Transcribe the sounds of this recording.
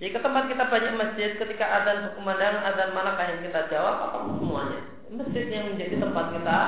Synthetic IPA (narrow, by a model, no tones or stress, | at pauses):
d͡ʒadikət̪əmpat̪̚kit̪abaɲak̚məsd͡ʒɪt̪̚kət̪ikaʔadanɦukumandaŋanadanmanakahjaŋkit̪ad͡ʒawap̚a̰papʊŋsəmuaɲa̰ | məsd͡ʒɪt̪̚jaŋməɲd͡ʒadit̪əmpat̪̚kit̪a